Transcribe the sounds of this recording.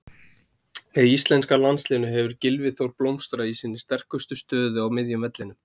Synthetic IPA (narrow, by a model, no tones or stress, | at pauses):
ɛist̪lɛnskalanslɪːnʏɦɛvʏɾcɪlvɪθowɾplowmst̪ɾaisinːɪ̥st̪ɛr̥kʏst̪ʏst̪œːðʏawmɪðjʏmvɛt̪lɪnʏ